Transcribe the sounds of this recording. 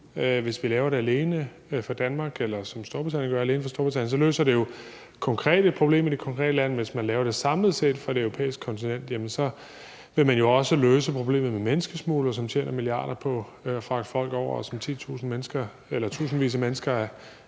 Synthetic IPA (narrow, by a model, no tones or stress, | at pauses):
ʋe̝sʋilɛːʊɐɾe̝æle̝ːnə | fɑ̈d̥ænmɑ̈ːɡ̥elɐsɒ̽msd̥oɐb̥ʁit͡sʰænjən̩ɡɶɐæle̝ːnəfɑ̈sd̥oɐb̥ʁit͡sʰæ̰n̰jənsɒ̽lø̰ːsɐde̝jo̝ | kʰɒ̽ŋkʰʁɛ̰ːde̝d̥̚pʰʁo̝b̥le̝̰ːmid̥e̝kʰɒ̽ŋkʰʁɛ̰ːd̥əlænʋe̝smænlɛːʊɐd̥e̝sɑ̈mləð̩ˠsed̥fʁɑ̈d̥e̝øʊʁopʰḛːisɡ̥kʰɒ̽nt͡sʰinen̰d̥jemənsɒ̽ | ʋe̝mænjo̝ɒ̽səløːsəpʰʁo̝b̥le̝̰ːmð̩ˠmemenəsɡ̥əsmuːlɐsɒ̽mt͡ɕʰḛːnɐmiliɑ̰̈ːɾ̥ɐpʰɒ̽fʁɑ̈ɡ̥ə̥fɒ̽l̰ɡ̥ɒʊ̰ɐsɒ̽mt͡sʰḭːt͡sʰṵːsn̩menəsɡ̥ɐ | elɐt͡sʰṵːsn̩ʋḭːs̬ɐmenəsɡ̥ɐæ